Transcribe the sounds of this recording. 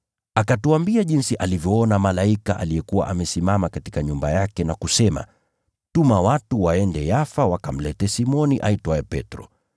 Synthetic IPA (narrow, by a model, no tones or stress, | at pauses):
akatuambiaʄinsiʔalivjɔɔnamalaikaʔa̰lijɛkuwa̰ʔamɛsimamakati̥kaɲumbajakɛnakusɛma̰ | tumawatuwaɛndɛjafawakam̩lɛtɛsimɔniʔaitɔɛpɛtɾɔ